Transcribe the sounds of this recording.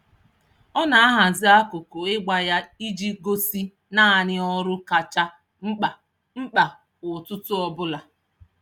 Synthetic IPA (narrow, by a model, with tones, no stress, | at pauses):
ɔ˦na˨a˦ɦa˨zɪ˦a˦kʊ˨kʊ˨ɪ˦ɡ͡ba˨ja˦i˦d͡ʒi˦ɡo˦si˦ | na˦a˨ɲɪ˦ɔ˦ɾʊ˦ka˨t͡ʃa˦ | ŋ͡m̩˦k͡pa˨ | ŋ͡m̩˦k͡pa˨ | ʊ˨tʊ˦tʊ˦ɔ˦bʊ˦la˨